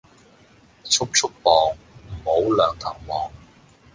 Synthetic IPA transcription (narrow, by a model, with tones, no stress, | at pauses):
t͡sʰʊ˥k̚t͡sʰʊ˥k̚pɔː˨ŋ | m̩˨˩ho˨˥wlœː˨˧ŋt̪ʰɐː˨˩ŋmɔː˨ŋ